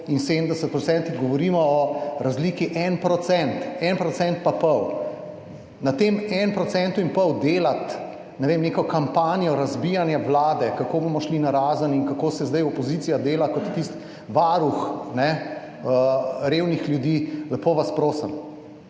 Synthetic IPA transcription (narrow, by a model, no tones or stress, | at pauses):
insed̪n̩d̪ɛsət̪̚pɾɔtsɛnt̪iɣɡɔʋɔɾiːmɔɔɾazliːkiʔɛnpɾɔt̪sɛnt̪ɛnpɾɔsɛnt̪̚papɔw | nat̪emɛnpɾɔt̪sɛnt̪uinpɔwd̪eːlat̪ | nɛʋemnekɔkampaːnijɔɾazbijanjaʋlaːd̪ɛkakobomɔʃlinaɾaːzəniŋkakoːsɛzd̪ɐjɔpɔziːt̪sijad̪eːlakɔt̪ːist̪ | ʋaɾuxnɛ | əɾeːwnixljud̪iːlɛpoʋaspɾoːsəm